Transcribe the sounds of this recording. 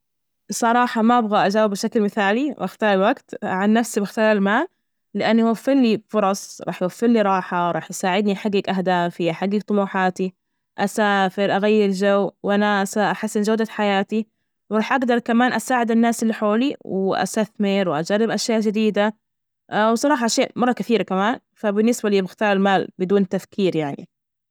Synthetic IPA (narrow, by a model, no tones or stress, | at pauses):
sˤːɑɾˤɑːħɑmaʔabɣaʔad͡ʒaːwɪbʃaklmɪθaːliwʔaxt̪ɑːɾˤwaɡt̪ʕanːafsibaxt̪aːlmaː | lɪʔanːʔawafːɪɾlibfʊɾˤɑsˤɾˤɑ̰ːħjwafːɪɾliɾˤɑːħɑwɾˤɑːħʔasaːʕɪd̪niħaɡːakʔahd̪aːfiħaɡːak̚t̪ˤʊmuːħaːt̪i | ʔasaːfɪɾʔaɣajːɪɾd͡ʒawwʔanasaʔaħasːɪnd͡ʒawd̪aħajaːt̪i | wɾˤɑːħʔaɡd̪ɑɾˤkamaːnʔasaːʕɪd̪ɪnːaːsɪlːiħoːliwɪʔa̰st̪aθmɪɾwɪʔa̰d͡ʒarːɪbʔaʃjaːʔʒɪd̪iːd̪a | wsˤɑɾˤɑːħɑʔaʃjaːʔmɑrˤːɑkɪθiːɾakamaːn | fabɪnːɪsbaliːmɪxt̪ɑːɾˤɪlmaːlbɪd̪uːnt̪afkʰiːɾjaʕnḭ